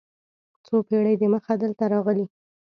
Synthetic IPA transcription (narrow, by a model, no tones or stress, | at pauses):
t͡sopeɽəjd̪əməxad̪əlt̪aɾɑɣəli